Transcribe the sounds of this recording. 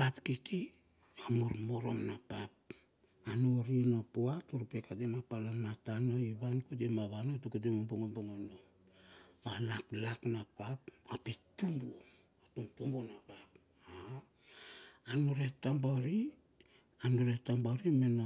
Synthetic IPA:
papkiti | amoɾmoɾo̞̰mnapap̚ | anoɾienapoatuɾpekatenapalomatanoiβankutemaβanotukut̬emomboŋomboŋono | malaklaknapapapitumbuo | atuŋtumbonapap | a | anoɾetambaɾi | anoɾetambaɾimena

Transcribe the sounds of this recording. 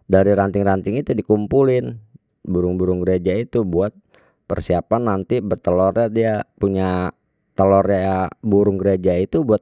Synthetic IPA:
daɾiɾant̪ɪŋɾant̪ɪŋit̪udikumpulɪn | buɾʊŋbuɾʊŋɡəɾed͡ʒait̪ubuat̪̚ | pə̰rsiapanːant̪ibərt̪əlɔrɲadiapuɲa | t̪əlɔrjajabuɾʊŋɡəɾed͡ʒait̪ubuat̪̚

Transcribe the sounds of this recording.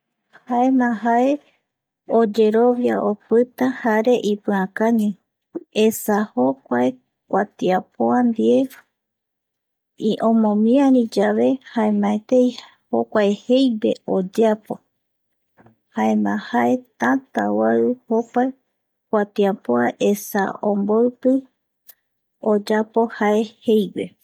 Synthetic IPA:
haemãɦae | od͡ʒe̞ɾoβjaʔopɨt̪ahaɾe̞ʔipɨãkãɲũ | esahokʷae | kʷat̪iapoand̪ie | iʔõmõmĩãɾĩd͡ʒaβe̞haemãet̪ej | hokʷaehe̞jwe̞od͡ʒapo̞ | haemãhae̞t̪ãt̪awaɨhopae | kʷat̪iapoaʔesa̰õmboɨpɨ | od͡ʒapo̞haehejwe̞

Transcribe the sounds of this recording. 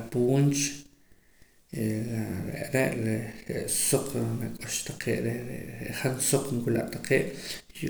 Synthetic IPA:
apuːnt͡ʃ | aɾḛʔɾeʔleɾeʔsoqnakʼoʃt̪aqʰeːʔɾeɾḛeʔχansoq͡χŋkula̰ʔt̪aqeːʔ

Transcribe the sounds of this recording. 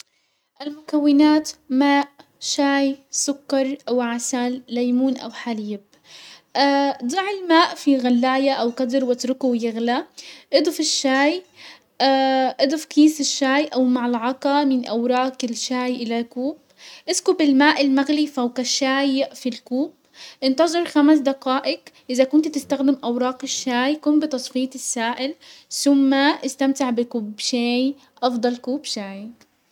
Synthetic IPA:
ʔalmʊkawːɪnaːt̪maːʔ | ʃaːjsʊkːɑɾˤʔawʕasalːajmuːnʔa̰wħaliːb̚ | ʔad̪ˤɑʕɪlmaːʔfiɣalːaːjaʔawqɑd̪ɪɾwɪt̪ɾʊkuwjɪɣlaʔɪd̪ˤʊfɪʃːaːj | ʔaʔɪd̪ˤʊfkiːsɪʃːaːjʔawmaʕɪlʕɑqɑmɪnʔawɾˤɑːkɪlʃaːjʔɪlakuːb | ʔɪskʊbɪlmaːʔɪlmaɣlifawkaʃaːjfilkuːb | ʔɪnt̪ɑzˤɨɾˤxamas̬d̪aqaːʔɪkʔɪzakʊnt̪t̪ɪst̪axd̪ɪmʔawɾˤɑːqɪʃːaːjkʊːnbɪt̪ɑsˤfiːt̪ˤɪsːaːʔɪlsʊmːaʔɪst̪amt̪ɪʕbɪkuːbʃaːj | ʔɑfd̪ˤɑlkuːbʃaːj

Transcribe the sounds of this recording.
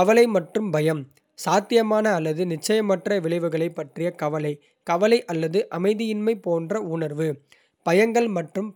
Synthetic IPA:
ɐʋɐlɐɪmɐʈrɯmbɐjɐm | saːt̪ːɪjɐmaːnɐːlːɐðɯnɪt͡ʃːɐjɐmɐʈrɐʋɪɭɐɪʋɯɣɐɭɐɪpːɐʈrɪjɐkɐʋɐlɐɪ | kɐʋɐlɐɪʔɐlːɐðɯʔɐmɐɪðɪjɪnmɐɪpoːndrɐʊɳɐɾʋɯ | b̥ɐjɐŋɡɐɭmɐʈrɯm

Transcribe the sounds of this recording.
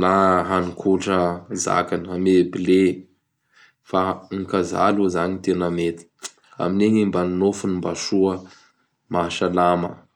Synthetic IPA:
naɦanikʰuʈ͡ʂəza̰kanəamebile | faŋkaza̰luzaɲit̪enəmet̪i̥ | a̰mineɲimbanunofunimbaʃuə | maʃalamə̰

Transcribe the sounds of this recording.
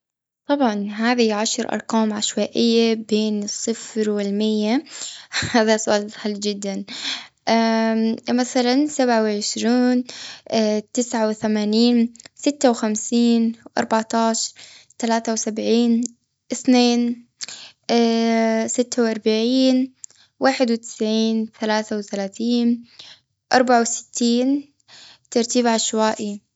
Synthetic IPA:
t̪ˤɑbʕɑnɦaːðiʕaʃɾʔɑ̰ɾˤqaːmʕaʃwaːʔɪjːabeːnɨsˤːɨfɾwɪlmɪjːa | haːðasʊʔaːlħɪld͡ʒɪd̪ːan | ʔa | maθalansabʕawʕɪʃɾiːn | t̪ɪsʕawθamaːniːnsɪt̪ːawxamsiːnʔɑ̰ɾˤbaʕt̪ɑːʃɑɾˤt̪alaːθawsabʕiːn | ʔɪθneːn | sɪt̪ːawʔɑɾˤbaʕiːn | waːħɪd̪wɪt̪ɪ̥sʕiːnθalaːθawθalaːθiːn | ʔɑɾˤbaʕawsɪ̥t̪ʰːiːn | t̪ɑɾˤt̪iːbʕaʃwaːʔi

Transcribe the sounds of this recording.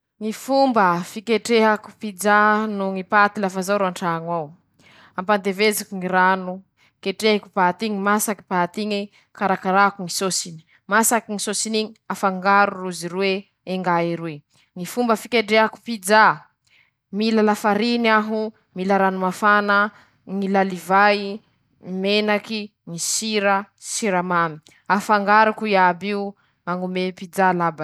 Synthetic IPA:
ŋifumbəfikeʈ͡ʂeɦaku̥pid͡ʒanuŋipat̪ilafazawɾuaɳʈ͡ʂaŋwaw | ampand̪evezakuŋiɾanu | keʈ͡ʂeaku̥pat̪iŋimasaki̥pat̪iɲi | kaɾakaɾakuŋisosini̥ | masakiŋisosiniɲiafaŋɡaɾuruziɾwe | eŋɡaiɾe | ŋifumbəfikʲeɖ͡ʐeaku̥pid͡za | milalafaɾinaɦu | milaɾanumafanə | ŋilalivaj | menakiŋisiɾəsiɾamami̥ | afaŋɡaɾukuiabiu | maŋumepid͡zalaba

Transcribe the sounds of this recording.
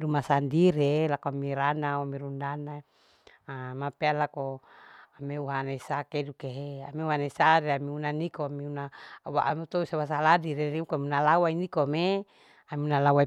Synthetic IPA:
dumasandiɾelakoamiɾanawamiɾundana | amapealakoameuɦanaisakedukeɦeameuɦanaisaɾeamiunanikoamiunaawa̰ʔamit̪ousawas̬aladiɾeniukamunalawainikome | amiunalawai

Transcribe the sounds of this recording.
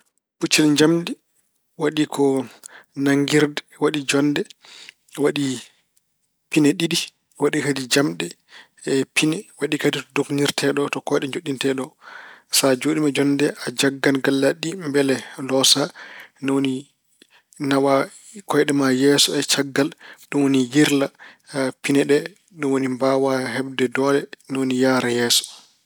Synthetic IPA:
put͡ʃːɛlɲd͡ʒamɗɛ | waɗikʰɔ | naŋɡiɾd | waɗid͡ʒɔndɛ | waɗi | pinɛɗiɗi | waɗikadid͡ʒamɗɛ | pinɛwaɗikaditɔdokniɾtʰɛɗɔtɔkɔjɗɛɲd͡ʒoɗːintɛɗɔsad͡ʒoːɗimad͡ʒɔndɛʔad͡ʒaɡːanɡːalːaɗːimbɛlɛlɔsanɛwoni | nawa | kɔjɗɛmajɛsɔɛt͡ʃaɡːalɗumwonijiɾla | pinɛɗɛ | ɗumwonimbawaɦɛbdɛdɔːlɛnɛwonijaːɾɛjɛːsɔ̥

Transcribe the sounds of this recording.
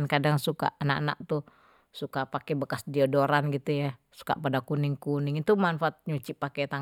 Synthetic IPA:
nkadaŋsuka̰ʔanaʔana̰ʔ̚t̪u | sukapakɛbəkasdiadoɾanɡit̪uja | su̥ka̰ʔpadakunɪŋkunɪŋit̪umanfaat̪̚ɲut͡ʃipːakɛt̪a

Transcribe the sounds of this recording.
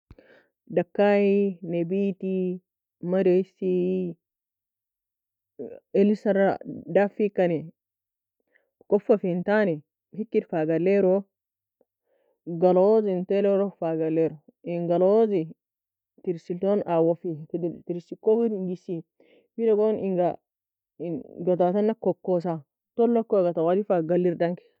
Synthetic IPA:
dakːajinebiti | maɾesi | elisaɾadafikani | kofafintani | hikːitfaɡalːeɾo | ɡɐloːzɪnt̪eːlɛɾɔfaːɡɐlːeːɾɔ | ɪŋɡɐloːzɪ | t̪ɪɾsɪlt̪onaːwɔfit̪ɪɾsɪkːɔfidɪŋɡɪsi | fɪlɛɡonɪŋɡɐ | ɡɔt̪aːt̪ɐnːɐkːɔkːoːs̬a | t̪ɔlːɔkːɔɡɐt̪ɐwad̪ɪfaːɡɐlːɪɾd̪ɐŋkɛ̥

